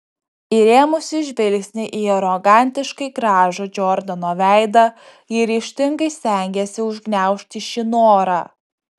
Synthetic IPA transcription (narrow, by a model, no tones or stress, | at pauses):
ɪɾʲeːmʊsʲɪʒʲʋʲɪlʲksʲnʲɪʔiɛɾɔɡɑˑnʲt̪ʲɪʃkɐɪɡɾɑːʒod͡ʒʲɔɾd̪ɐnoːʋʲæˑɪd̪ɐ | ɪɾʲiːʃʲt̪ʲɪŋɡɐɪsʲt̪ʲæˑŋʲɡʲɛsʲɪʊʒʲɡnʲæˑʊʃʲt̪ʲɪʃʲɪnoːɾɑ